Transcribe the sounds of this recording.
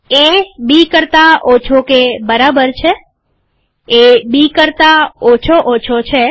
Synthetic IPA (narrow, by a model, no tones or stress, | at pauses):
ebikəɾt̪aot͡ʃʰokebəɾabəɾt͡ʃʰe | ebikəɾt̪aot͡ʃʰoʔot͡ʃʰot͡ʃʰe